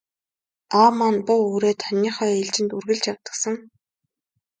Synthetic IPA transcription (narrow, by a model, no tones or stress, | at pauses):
aːmanpʊoːɾeːt̪ʰœnʲiːχœːeɮt͡ɕɪ̆nt̪urɣɘ̆ɮt͡ɕjawt̪ə̆ksə̆ŋ